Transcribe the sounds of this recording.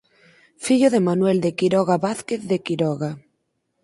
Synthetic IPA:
fiʎoðemanwɛld̪ekiɾɔɣaβaθkeθðekiɾɔɣa

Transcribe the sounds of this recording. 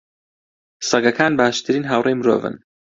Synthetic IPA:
sɐɡɐkʰaːnbaːʃt̪ʰɨɾiːnɦaːwrejmɨɾoːvɨ̰n

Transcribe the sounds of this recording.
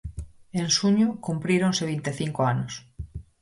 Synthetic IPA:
eŋsuɲʊkumpɾiɾonseβ̞int̪eθiŋkoanoʊs

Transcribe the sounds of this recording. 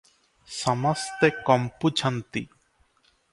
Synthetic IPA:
sɔmɔst̪ekɔmput͡ʃʰant̪ḭ

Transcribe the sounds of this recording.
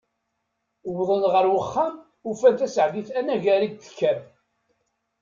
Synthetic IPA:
wðˤənʁəɾwəχːam | ufænt̪æsəʕðiθænæʝæɾiɡ̚t̪ə̥kːæm

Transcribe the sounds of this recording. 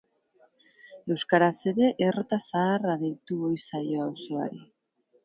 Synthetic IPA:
e̞wskaɾaseɾe̞ʔerot̪asaːraðejt̪uβo̞jsajo̞awsoa̰ɾi

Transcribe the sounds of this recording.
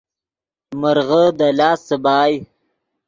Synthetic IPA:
məɾɣəd̪alaːsəbaːj

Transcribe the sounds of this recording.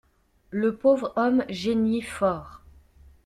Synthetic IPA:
ləpovʁɔmʒenifɔːʁ

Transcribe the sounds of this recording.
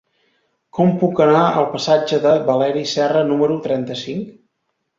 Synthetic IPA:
kɔmpukənaəlˠpəsad͡ʒəðəβəlɛɾisɛrənuməɾut̪ɾɛnt̪əsiŋk

